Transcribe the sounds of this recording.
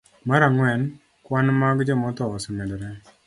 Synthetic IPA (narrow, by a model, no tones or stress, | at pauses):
maɾaŋwɛn | kwanmaɡd͡ʒɔmɔt̪ɔːsɔmedɾɛ